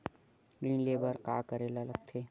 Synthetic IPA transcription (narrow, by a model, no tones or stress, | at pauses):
ɡɾiːnleːbəɾkaːkəɾeːlaləɡ̚t̪ʰeː